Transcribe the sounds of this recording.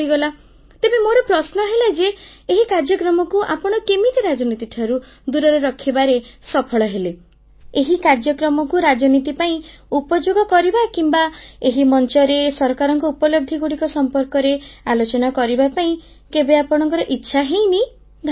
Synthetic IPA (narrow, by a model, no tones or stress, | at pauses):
iɡɔla | t̪ebemoɾɔpɾɔsnɔɦelad͡ʒeːɦikaɾd͡ʒjɔkɾɔmɔkuʔa̰pɔɽ̃ɔkemit̪eɾad͡ʒɔnit̪iʈʰaɾu | d̪uɾɔɾeɾɔkʰibaɾesɔpʰɔɭɔɦele | eɦikaɾd͡ʒjɔkɾɔmɔkuɾad͡ʒɔnit̪ipaĩupɔd͡ʒoɡɔkɔɾibakimbaeɦimɔnt͡ʃɔɾesɔɾkaɾɔŋkɔupɔlɔb̚d̪ʱiɡuɽikɔsɔmpɔɾkɔɾealot͡ʃɔnakɔɾibapaĩ | kebeapɔɽ̃ɔŋkɔɾɔʔitːʃʰaɦej̃ni | ɡʱa